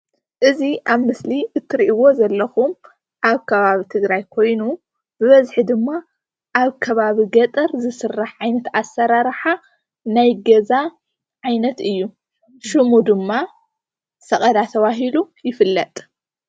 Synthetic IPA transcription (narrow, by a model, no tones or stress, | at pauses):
ʔɨziʔaβmɨsliɨt̪ʰːɨɾiʔiwo̞zɐlːɐxum | ʔaβkʰɐβaβit̪ʰɨɡɾajkʰo̞jnu | b̥ɨβɐzħid̪ɨmːa | ʔaβkʰɐβaβiɡɐt̪ʼɐɾzɨsɨrːaħʕajnɐt̪asːɐɾaɾħa | najɡɐza | ʕajnɐt̪ɨjːu | ʃɨmud̪ɨmːa | sɐχʼɐd̪at̪ʰɐβaɦilujɪfɨlːɐt̪ʼ